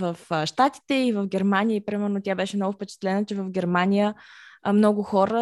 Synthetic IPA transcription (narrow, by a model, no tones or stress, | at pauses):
vəfʃt̪at̪i̥t̪ɛivəvɡʲɛɾmanijəipɾimɛɾnʊt̪jabɛʃɛmnɔɡʊfpɛt͡ʃɛ̥t̪lɛnət͡ʃɛvɐvɡʲɛɾmanʲijəmnɔɡʊxɔɾə